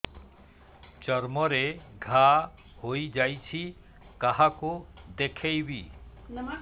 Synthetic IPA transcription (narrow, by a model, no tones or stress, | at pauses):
t͡ʃɔɾmɔɾeɡʱa | hojd͡ʒajt͡ʃʰi | kaɦakod̪ekʰejbi